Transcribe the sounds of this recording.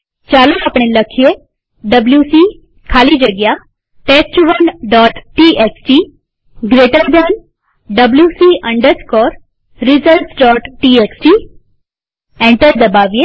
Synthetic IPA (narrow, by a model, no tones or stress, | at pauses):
t͡ɕaluapɳ̃eləkʰje | ɖəbljusi | kʰaliːd͡ʑəɡja | ʈest͡ɕuʋənɖɔʈʈiʔeksʈi | ɡɾeʈəɾbən | ɖəbljusiʔəɳɖəskɔɾ | ɾizəlsɖɔʈʈieksʈi | ɛ̃ɳʈəɾd̪əbaʋje